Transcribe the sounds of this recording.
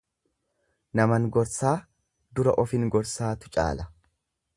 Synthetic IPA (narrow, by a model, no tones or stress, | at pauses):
nɐmɐnɡɔɾsaː | d̪ʊɾɐʔɔfɪŋɡɔɾsaːt̪ʊ̥t͡ʃʼa̰ːlɐ